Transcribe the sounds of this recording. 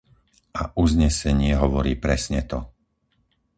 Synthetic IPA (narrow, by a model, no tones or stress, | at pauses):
aʔuzɲɛsɛɲɪɛɦɔʋɔɾiːpɾɛsɲɛt̪ɔ